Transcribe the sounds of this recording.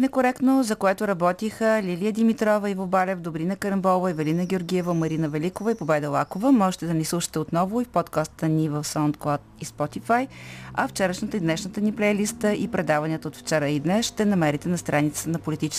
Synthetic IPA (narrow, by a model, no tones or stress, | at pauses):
nɛkoɾɛkt̪nozɐkoɛt̪ʊɾɐbɔt̪ixəlʲilijəd̪imit̪ɾɔvəivobalɛvd̪obɾinəkəɾəmbɔvəivɛlinəɡʲɪoɾɡʲiɛvəmɐɾinəvɛlikovəipobɛd̪ɛlˠakovəmɔʒɛt̪ɛd̪ɐnʲislˠuʃə̥t̪ɛot̪nɔvʊifpɔt̪kast̪ənivəfsant̪klˠat̪ispɔt̪ifajɐft͡ʃɛɾəʃnət̪əid̪nɛʃnət̪əniplɛlist̪əʔipɾɛd̪avɐniət̪əot̪ft͡ʃɛɾəid̪nɛsʃt̪ɛnɐmɛɾit̪ɛnɐst̪ɾʔanit̪sət̪ənɐpolit̪it͡ʃɛ̥s